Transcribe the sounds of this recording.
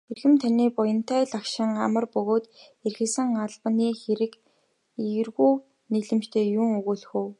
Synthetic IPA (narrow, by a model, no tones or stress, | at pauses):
xerɣɘ̆mt̪ʰaniːpɔjɞ̆n̥t̪æːɮakʃɪ̆ŋa̰mə̆rpɵɣoːt̪erxɘ̆sɘ̆ŋaɮpə̆niːxeɾɘ̆k | iɣɘ̆rɣuː | niɮɘ̆mt͡ɕt̪ʰeːjʊːŋɵɣuːɮxuw